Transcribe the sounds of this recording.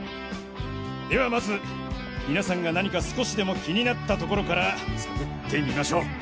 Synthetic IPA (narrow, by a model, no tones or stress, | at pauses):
d̪e̞βamazɨ | mʲinasãŋɡanaɲ̟ikasɨ̥ko̞ɕid̪e̞mo̞kʲiɲ̟inat̪ːat̪o̞ko̞ɾo̞kaɾat͡sɨ̥ket̪ːe̞mʲimaɕo̞ː